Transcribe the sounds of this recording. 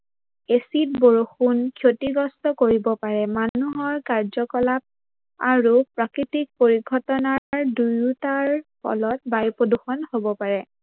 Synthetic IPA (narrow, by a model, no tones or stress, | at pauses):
esit̚boɹoxunkʰjotiɡɔstɔkoɹibɔpaɹɛmanuɦɔɹkaɹzɔkɔlap̚ | aɹupɹakɹitik̚poɹiɡʱɔtɔnaɹdujutaɹpʰɔ̰lɔt̚bajpɹoduxɔnhobɔpaɹɛ